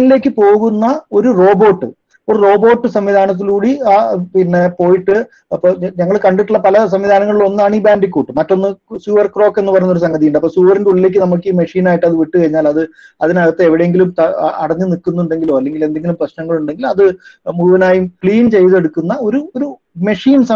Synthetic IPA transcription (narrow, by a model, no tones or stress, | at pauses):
ɐnile̞ːkːɨpo̞ːɣunːɐo̞ɾuro̞ːbo̞ːʈːɨ̰ | oɾro̞ːbo̞ːʈːɨsɐmʋid̪ʱaːnɐt̪̬ːiluːɽiaːpinːe̞po̞ːjiʈːɨ | ɐpːoɲɐŋːɐɭkɐɳɖiʈːuɭːɐpɐlɐs̬ɐmʋid̪ʱaːnɐŋːɐɭilo̞nːaːɳiːbaːnɖikʲːuːʈːɨmɐtːo̞nːɨsuːʋɐrkro̞ːkːe̞nːɨpɐrɐjunːoɾus̬ɐŋɡɐðijuɳɖɨɐpːoːsuːʋɐrnduɭileːk̬ːɨnɐmuk̬ːiːme̞ʂiːnaːjiʈːɨɐðɨʋiʈːɨkɐɻiɲːaːlɐðɨ | ɐðinɐɣɐt̪ːeeʋiɽejeŋɡilumt̪ɐ̰ɐɽɐɲːɨnikːunːuuɳɖe̞ŋɡiloːɐlːe̞ŋɡile̞nd̪eŋɡilumprɐɕnɐŋːɐɭuɳɖe̞ŋɡilɐðɨmuɻuʋɐnaːjumkɭiːnt͡ɕe̞jðe̞ɽukːunːɐo̞ɾuoɾu | me̞ʂiːnsɐ